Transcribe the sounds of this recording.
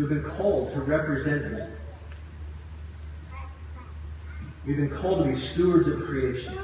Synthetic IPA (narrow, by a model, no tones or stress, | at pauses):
ivbɨ̃nkʰɔlˠdtʰəɹɛpɹɨzɛ̃nɨɾɪ | wivbɨ̃nkʰɔlˠtʰəbistuə˞dzʌv̥kʰɹ̥ieɪʃɨ̃n